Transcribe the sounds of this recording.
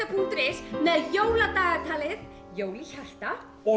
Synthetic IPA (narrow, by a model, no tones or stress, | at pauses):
apʰuŋ̥t̪ɾɪsnɛðjowlat̪aːɣaɾt̪ʰaːlɪð | joːwliçaɬt̪a | ɔ